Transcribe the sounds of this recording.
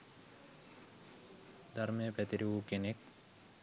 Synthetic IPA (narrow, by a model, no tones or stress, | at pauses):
d̪aɾmejəpɛt̪iɾiuːkenek̚